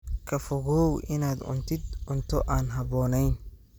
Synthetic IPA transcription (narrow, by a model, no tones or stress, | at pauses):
kʰɐfɔɣɔwʔɪnaːd̪ʕʊ̰nt̪ʰɪd̪ʊnt̪ʰɔʔaːnɦɐβɔːnɛjn